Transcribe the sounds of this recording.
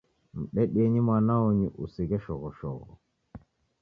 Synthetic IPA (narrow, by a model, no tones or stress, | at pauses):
m̩ɗɛɗiɛɲimanaɔɲiʔusiɣɛʃɔɣɔʃɔ̰ɣɔ̰